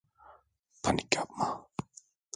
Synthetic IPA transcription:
pʰanikap̚ma

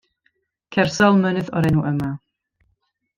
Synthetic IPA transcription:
kʰɛrsɔlˠmənɨðɔ̰ɾɛnuʔəma

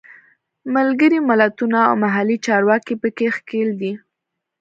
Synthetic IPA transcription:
malɡəɾimɪlat̪una̰ːwmaɦalit͡ʃɑɾwɑkipəkexkeld̪i

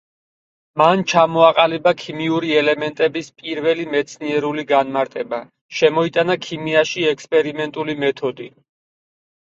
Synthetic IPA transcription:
mant͡ʃʰamɔaqʼalibakʰimiuɾiɛlɛmɛnt̪ʼɛbispʼiɾvɛlimɛt̪sʰniɛɾuliɡanmaɾt̪ʼɛba | ʃɛmɔit̪ʼanakʰimiaʃiɛkspʼɛɾimɛnt̪ʼulimɛt̪ʰɔd̪i

